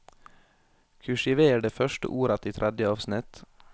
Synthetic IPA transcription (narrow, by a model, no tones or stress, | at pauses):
kʰʉʃɪʋeːəɖeːfœʃʈə̰ʔuːɾɑt̪ʰiːt̪ʰɾʔæd̪jəɑːʋsnɪt̪